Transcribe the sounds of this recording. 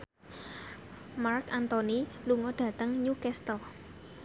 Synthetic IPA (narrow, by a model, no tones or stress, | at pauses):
markant̪oniluŋɔɖ̥ä̤t̪əŋɲukɛst̪əl